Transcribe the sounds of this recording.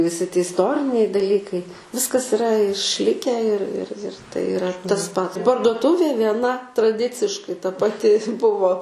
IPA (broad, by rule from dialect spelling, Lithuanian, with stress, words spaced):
ʋʲɪˈsʲɪ tʲɪ ɪsˈtoːrʲɪnʲɛɪ dɐˈlʲiːkɐɪ ˈʋʲɪskɐs ɪˈrɐ ɪʃʲˈlʲɪkʲæː ɪr ɪr ɪr ˈtɐɪ ɪˈrɐ tɐs ˈpɐt pɐrduɔˈtʊʋʲeː ʋʲiɛˈnɐ trɐˈdʲɪt͡sʲɪʃkɐɪ tɐ pɐˈtʲɪ ˈbʊʋoː